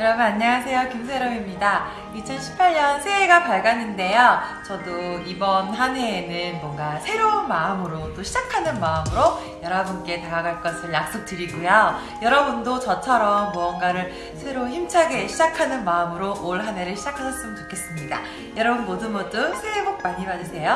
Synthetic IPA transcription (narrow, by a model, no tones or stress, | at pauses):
kɯɾʌbɯnaɲːaŋasʰe̞jokims̬ʰeɾʌmimɲida | it͡ɕʰʌnɕʰi̥pʰaɭɲʌnsʰeeɡapaɭɡjʌninde̞jot͡ɕʌdoibʌnɦaneːnɯnmwʌŋɡasʰe̞ɾonmaɯmɯɾot͈oɕʰid͡ʑakʰanɯnmaɯmɯɾo | jʌɾʌbunk͈e̞taɾaɡaɭk͈ʌsʰɯɭjak̚s͈ok̚tɯɾiɡujʌ | jʌɾʌbundot͡ɕʌt͡ɕʰʌɾʌmːuʌnɡaɾɯɭ | sʰe̞ɾoçimt͡ɕʰaɡe̞ɕʰid͡ʑakʰanɯnmaɯmɯɾoʔoɭɦane̞ɾɯɭɕʰid͡ʑakʰasʰʌs͈ɯmɯnt͡ɕokʰe̞s͈ɯmɲida̰ | jʌɾʌbunbodɯnmʌt͈osʰeɦebok̚maɲimadɯsʰe̞jo